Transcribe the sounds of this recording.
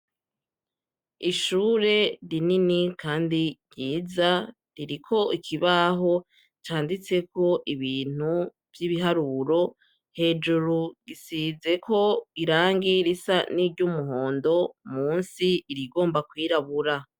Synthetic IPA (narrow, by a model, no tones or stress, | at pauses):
iʃuːɾe̞ɾininikʰaːndiɟiːza | ɾiɾikʰo̞ikʰiβaɦo̞ | t͡ʃaːndit͡se̞ko̞ʔiβiːn̥hu | vjiβiɦaɾuːɾo̞ | he̞ːd͡ʒuɾuɡisize̞ko̞iɾaːŋɡiɾisaniːɾɟumuɦo̞ːndo̞muːnsiːɾiɡo̞ːmbakwiːɾaβuɾa